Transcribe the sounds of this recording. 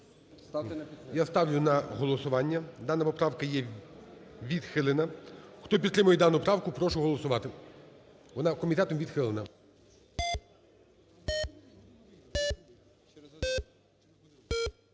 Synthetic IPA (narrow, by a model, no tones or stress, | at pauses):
jast̪ɑwlʲʊnɐɦɔlˠɔsʊʋɑnʲːɐd̪ɑnɐpɔpɾɑwkɐjɛ | ʋʲid̪xɪlˠenɐxt̪ɔp̬ʲid̪t̪ːɾɪmʊjɛd̪ɑnʊpɾɑwkʊpɾɔʃʊɦɔlˠɔsʊʋɑt̪ɪ | ʋɔnɑkɔmʲit̪ɛt̪ɔmʋʲid̪xɪlˠenɐ